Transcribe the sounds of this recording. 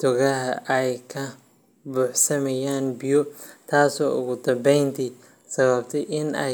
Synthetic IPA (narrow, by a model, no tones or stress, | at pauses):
t̪ʰɔɣɐɦɐʔɛjkʰɐ | buːħsɐmɛjaːnbɪjɔt̪ʰaːsɔːʔʊɣʊd̪ɐmbɛjnt̪ʰi | sɐβɐbt̪ʰɛjʔɪnɛ